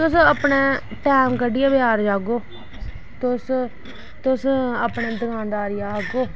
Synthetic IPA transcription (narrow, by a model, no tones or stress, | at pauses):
t̪ʊsəpɳeː | ʈɛːmkəɖɪjaːbjaːɾd͡ʒaːɡoː | t̪ʊs | t̪ʊsəpɳẽːd̪əɡãːd̪aːɾɪjaːɡoː